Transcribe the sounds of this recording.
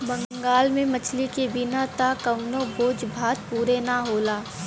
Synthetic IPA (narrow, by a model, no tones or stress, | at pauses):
bɐ̃ŋŋɡaːlmẽmɐt͡ʃʰlikebɪnat̪akɐʊnõboːd͡ʒbʱaːt̪̚puːɾenaɦoːlaː